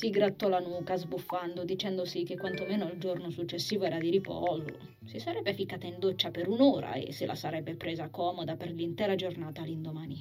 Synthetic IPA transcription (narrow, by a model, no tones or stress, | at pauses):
siɡɾat̪ːɔlanuːkazbufːand̪od̪it͡ʃɛnd̪osikekːwant̪omɛːnoald͡ʒornosut͡ʃːesːiːvoɛːɾad̪iɾipɔ̰zo̰ | sisaɾɛbːefikːaːt̪aind̪ot͡ʃːapeɾunoːɾa̰ḛsːɪlʔa̰saɾɛbːepɾɛːzakɔːmod̪aperlint̪ɛːɾad͡ʒornaːt̪alind̪omaːni